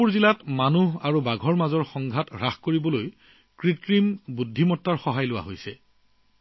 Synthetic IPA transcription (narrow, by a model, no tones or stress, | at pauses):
uɹzilatmanuɦaɹubaɡʱɔɹmazɔɹxɔŋɡʱatɹaxkoɹibɔloj | kɹitkɹimbudʱːimɔtːaɹxɔɦajlʊwa̰ɦojsɛ